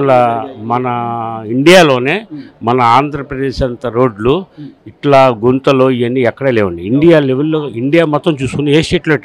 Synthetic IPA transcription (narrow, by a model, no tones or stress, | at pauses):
ɐlɐmɐnɐiɳɖijaːlo̞ːne̞ːmɐnɐaːnd̪ʱɾɐpɾɐd̪eːʃɐnt̪ɐɾo̞ːɖluiʈlaːɡunt̪ɐloːiɐnːiɛkːɐɽeːleːʋɐɳɖiːɳɖijaːleʋelːoːiɳɖijaːmɔt̪ːɐmt͡ʃuːsu̥kunːeeːsʈeːʈloiʈ